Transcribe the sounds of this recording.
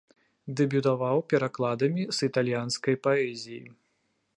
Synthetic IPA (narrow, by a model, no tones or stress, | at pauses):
d̪ɛbʲut̪avawpʲɛɾaklˠad̪ɐmʲisit̪alʲjanskɐjpaɛzʲijḭ